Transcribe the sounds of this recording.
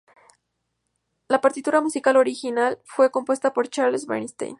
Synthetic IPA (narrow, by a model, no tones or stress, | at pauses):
lapaɾt̪it̪uɾamusikalo̞ɾixinalfwe̞ko̞mpwe̞st̪apo̞ɾt͡ʃaɾlsβḛɾnist̪ḛjn